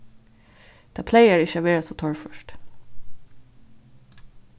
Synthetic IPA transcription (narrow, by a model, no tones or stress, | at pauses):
d̪̥ʰæːpʰleɪæːɹɪçəaʋeːɹasoːt̪ʰɔɹfœʃt